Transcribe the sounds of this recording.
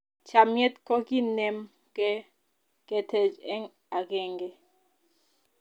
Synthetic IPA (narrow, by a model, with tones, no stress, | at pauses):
t͡ʃa˨mjɛ˦t̪kɔ˦ki˦nɛ˦m | kɛ˦ | kɛ˦tʰɛ˨d͡ʒɛ˦ŋ | a˨kɛ˦˨ŋɡɛ˦